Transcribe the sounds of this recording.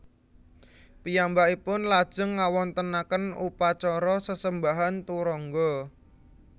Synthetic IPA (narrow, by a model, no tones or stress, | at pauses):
pijambaipʊnlad̥ʒ̥ə̤ŋːawɔnt̪ənakənṵpat͡ʃɔɾɔsəsəmbaɦant̪uɾɔŋɡɔ